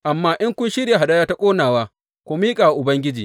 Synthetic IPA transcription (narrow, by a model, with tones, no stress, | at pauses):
ʔa˨mːaː˦ʔɪ˦ŋkʷʊ˦nʃɪ˦ɽja˨ɦa˨ɗaː˦jaː˦ta˦kʷʼoː˦naː˨waː˦ | kʷoː˦miː˦kʼaː˨wa˨ʔʊ˨bɐ˦ŋɡʲɪ˦d͡ʒiː˨